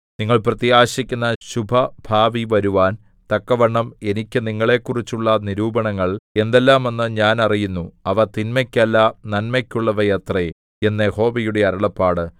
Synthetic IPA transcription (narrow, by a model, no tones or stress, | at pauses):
niŋːɐɭprɐt̪iaːɕikʲːunːɐɕubʱɐbʱaːʋiʋɐɾuʋaːn | t̪ɐkːɐʋɐɳːɐme̞nikʲːɨniŋːɐɭe̞kːurit͡ɕːuɭːɐniɾuːbɐɳɐŋːɐɭe̞nd̪elːaːme̞nːɨɲaːnɐrijunːuɐʋɐt̪inmɐkʲːɐlːɐnɐnmɐkʲːuɭːɐʋɐjɐt̪re | e̞nːeho̞ːʋijuɽe̞ɐɾɐɭɐpːaːɽɨ